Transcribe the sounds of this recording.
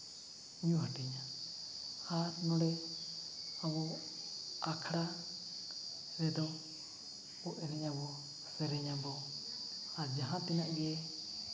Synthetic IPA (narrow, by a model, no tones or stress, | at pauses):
ɲũɦaʈiɲa | haɾnɔ̃ɾɛ | aβɔ | akʰɾa | ɾɛd̪ɔ | ɔʔɛɾɛɲabɔ | sɛɾɛɲabɔ | ad͡ʒaɦãt̪inaɡɛɛ